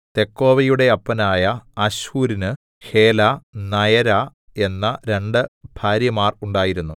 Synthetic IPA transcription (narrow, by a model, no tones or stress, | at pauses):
t̪e̞kːo̞ːʋɐjuɽe̞ɐpːɐnaːjɐɐɕhuːɾinɨ | he̞ːlanɐjɐɾa | e̞nːɐɾe̞ɳɖɨb̥ʱaːɾjɐmaːruɳɖaːjiɾunːu